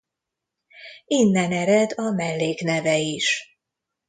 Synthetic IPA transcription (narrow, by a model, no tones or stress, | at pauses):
inːɛnɛɾɛd̪ɒmɛlːeːkn̪ɛvɛiʃ